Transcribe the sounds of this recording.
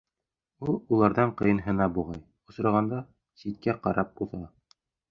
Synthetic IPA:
ulˠulˠɑɾðɑɴqɤ̆jɤ̆nɦɤ̆nɑbuʁɑj | ŏsɾɑʁɑnd̪ɑ | sit̪̚kæqɑɾɑp̚uθɑ

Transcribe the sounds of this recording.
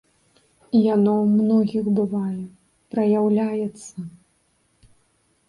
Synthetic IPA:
ijanɔwmnɔɣʲiɣbɨvajɛ | pɾɐjawlʲajɛt̪sːɐ

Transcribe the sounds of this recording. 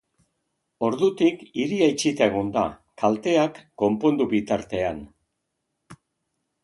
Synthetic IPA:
o̞ɾðut̪ikiɾiajt͡ʃit̪ae̞ɣ̞ond̪a̰kalt̪e̞akːo̞mpo̞nd̪uβit̪aɾt̪e̞an

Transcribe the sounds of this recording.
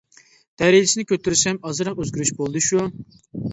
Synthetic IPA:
d̪̥ɛɾed͡ʒɪsɪnɪkʲʰøt̪ʰyɾysɛmɑzɨɾɑqøzɡʲyɾyʃbolˠd̪ɨʃu

